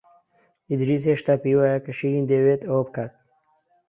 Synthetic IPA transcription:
id̪ɾis̬eʂt̪aːpiwajakɐʃiɾind̪ewet̪oːp̚kat̪̚

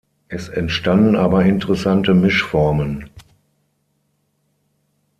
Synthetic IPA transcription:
ʔɛsɛntʃtandn̩ʔaːbɐɪntəʁəsantəmɪʃfɔɐmən

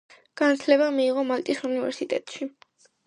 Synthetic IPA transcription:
ɡ̥ant̪sʰlɛβamiːʁɔmalt̪ʼisunivɛ̰ɾsit̪ʼɛ̰t̪ʼʃi

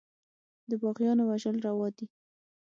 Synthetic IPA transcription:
d̪əbɑɣjɑnowaʒəlɾawɑd̪i

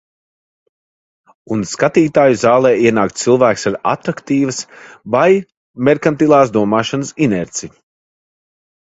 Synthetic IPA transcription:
unskat̪iːt̪aːjuzaːlˠɛːiɛnaːkt̪t̪sɨlˠvæːksaɾa̰t̪ɾakt̪iːvəsvaj | mɛɾkant̪ilˠaːsd̪uɔmaːʃanəsinɛɾt̪sij

